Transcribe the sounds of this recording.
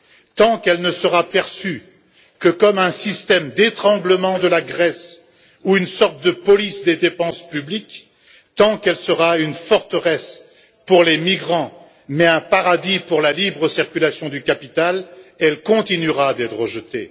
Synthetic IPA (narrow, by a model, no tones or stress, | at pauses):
t̪ɑ̃kɛlnəsəʁapɛʁsy | kəkɔmɛ̃sist̪ɛmd̪et̪χɑ̃ɡləmɑ̃d̪əlaɡʁɛs | uynsɔʁt̪̚d̪əpɔlisd̪ed̪epɑ̃spyblik | t̪ɑ̃kɛlsəʁaynfɔʁt̪əʁɛs | puʁlemiɡʁɑ̃ | mɛɛ̃paʁad̪ipuʁlalibʁəsiʁkʲylasjɔ̃d̪ykapit̪alɛlkɔ̃t̪inyʁad̪ɛt̪χəʒət̪ḛ